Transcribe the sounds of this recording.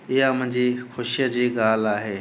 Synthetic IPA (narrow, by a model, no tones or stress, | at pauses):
ɪjamʊ̃ɦɪ̃ɲd͡ʑiːxʊʃijəd͡ʑiːɡaːlaːɦeː